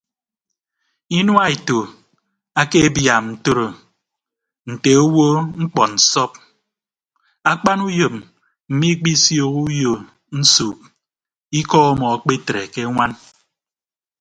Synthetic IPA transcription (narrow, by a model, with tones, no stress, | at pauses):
i˦nwa˦e˨to˨ | a˦ke˦e˦bja˨mn̩˨to˦ɾo˨ | n̩˨te˨o˦wo˦ŋ͡m̩˦k͡pɔ˨n̩˨sɔ˦p̚ | a˦k͡pa˦nu˦jo˨m̚ | m̩˨mi˦k͡pi˦sjo˦˨ku˦jo˨ | n̩˦su˨k̚ | i˦kɔ˦ɔ˦mɔ˨a˨k͡pe˦tɾe˨ke˦ŋʷa˦n